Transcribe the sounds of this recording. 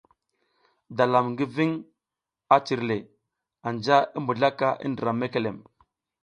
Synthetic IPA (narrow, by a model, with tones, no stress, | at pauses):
da˨la˨mŋɡi˦vi˦ŋ | a˦t͡ʃi˨ɾle˨ | a˨nd͡ʒa˦i˦mbu˨ɮa˦ka˦ʔḭ˦ndə˨ɾa˨me˦ke˨le˨m